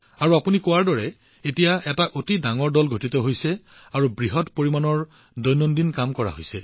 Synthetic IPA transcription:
aɹuapunikɔwaɹdɔɹɛ | etijaɛtaʔotidaŋɔɹdɔlɡʱotitɔɦojsɛ | aɹubɹiɦɔtpoɹimanɔɹ | dɔjnɔndinkamkɔɹa̰ɦojsɛ

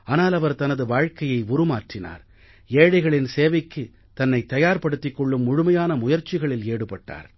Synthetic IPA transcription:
aːnaːlɐʋɐɾt̪ɐnɐðɯʋaːɻkɐjɐɪʊɾɯmaːʈrɪna̰ːɾ | eːɽɐɪɣɐɭɪnseːʋɪkːɯ | t̪ɐnːɐɪt̪ːɐjaːɾpɐɽɯt̪ːɪkːɔɭːɯmːʊɻʊmɐjaːnɐmʊjɐɾt͡ʃːɪɣɐɭɪleːɽɯpɐʈːa̰ːɾ

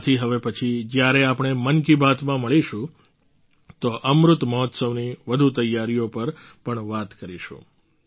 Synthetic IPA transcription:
t̪ʰiɦəʋepət͡ʃʰid͡ʒjaɾeapɳ̃emənkibʱat̪mãməɭiʃũ | t̪oʔəmɾʊt̪məɦɔt̪səʋniʋəd̪ʱut̪əjːaɾijopəɾpəɳʋat̪kəɾiʃṵ̃

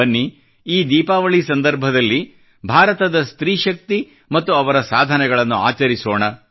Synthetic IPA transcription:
ɐnːi | iːd̪iːpaːʋɐɭisɐnd̪ɐɾbʱɐd̪ɐlːi | bʱaːɾɐt̪ɐd̪ɐst̪ɾiːʃɐk̚t̪i | mɐt̪ːuɐʋɐɾɐsaːd̪ʱɐnɛɡɐɭɐnːuaːt͡ʃɐɾisoːɳɐ

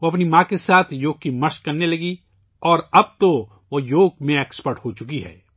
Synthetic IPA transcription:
ʋoɐpnimãkesaːt̪ʰjoːɡ̚kimɐʃkːɐɾnelɐɡi | ɔːɾɐb̚t̪o | ʋojoːɡmẽekspəɾʈɦot͡ʃʊkiɦɛ̰ː

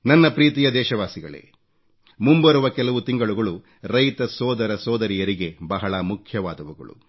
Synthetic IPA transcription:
nɐnːɐpɾiːt̪ijɐd̪ɛːʃɐʋaːsiɡɐ̰ɭḛː | mumbɐɾuʋɐkɛlɐʋut̪iŋɡɐɭuɡɐɭu | ɾɐjt̪ɐsɔːd̪ɐɾɐsɔːd̪ɐɾijɐɾiɡe̞bɐɦɐɭɐmukʰjɐʋaːd̪ɐʋuɡɐ̰ɭṵ

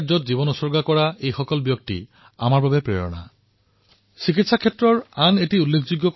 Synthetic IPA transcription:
zɔtzibɔnɔsɔɹɡakɔɹaejxɔkɔlbijok̚tḭ | a̰maɹbabepɹḛɹɔ̰na̰ | sikitsakʰetːɹɔɹanetiulːekʰd͡ʑuɡːɔk

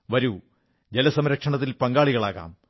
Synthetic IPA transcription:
ʋɐɾu | d͡ʑelɐsɐmɾɐkʂɐɳɐt̪ːilpɐŋɡaːɭiɣɐɭaːɣa̰ːm

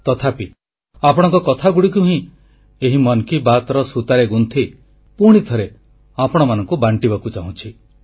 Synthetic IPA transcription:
t̪ɔt̪ʰapi | apɔɽ̃ɔ̃ŋkɔkɔt̪ʰaɡuɽikuɦĩ | eɦimɔnkibat̪ɔɾɔsut̪aɾeɡunt̪ʰi | puɽ̃it̪ʰɔɾe | apɔɽ̃ɔmanɔŋkubaɳʈibakut͡ʃaɦũt͡ʃʰi

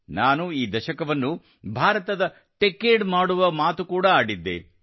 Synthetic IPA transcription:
naːnuiːd̪ɐʃɐkɐʋɐnːu | bʱaːɾɐt̪ɐd̪ɐ | ʈekːeːɖmaːɽuʋɐmaːt̪ukuːɽɐaːɽid̪ːḛ

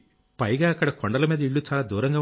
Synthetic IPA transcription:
pɐjɡaːɐkːɐɽɐkoɳɖɐlɐmiːd̪ɐiɭːut͡ʃaːlaːd̪uːɾɐŋɡaː

